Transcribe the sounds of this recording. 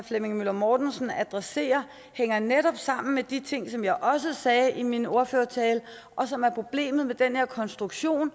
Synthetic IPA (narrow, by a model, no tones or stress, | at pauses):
flemeŋmylɐmɒːd̥n̩sn̩æd̥ʁɛse̝̰ːɐ | heŋɐneɾ̥ɒ̽b̥sɑ̈m̰n̩med̥it͡sʰe̝ŋ̰sɒ̽mjɑ̈ɪʔɒ̽s̬əsɛːʔimino̝ɐføːɐt͡sʰɛːl | ʔɒ̽sɒ̽mæɐpʰʁo̝b̥le̝̰ːmð̞̩ˠmed̥enhe̝ɐkʰɒ̽nsd̥ʁuɡ̥ɕo̝̰ːn